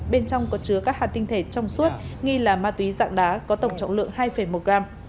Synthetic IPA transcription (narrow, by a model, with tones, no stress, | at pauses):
ɓe˧nt͡ɕɔ˧wŋ͡mkɔ˨˦t͡ɕɨ˨˦əkaː˦˥k̚haː˨˩t̪ï˧ŋt̪ʰe˧˩t͡ɕɔ˧wŋ͡msu˦˥t̚ŋi˧laː˨˩maː˧t̪wi˨˦za̰ː˧˨ŋɗaː˨˦kɔ˨˦t̪ə˧˩wŋ͡mt͡ɕɔ̰˧˨ŋ͡mlɨ̰˧˨əŋhaː˧jfə˧˩jmo˨˩t̚ɣaː˧m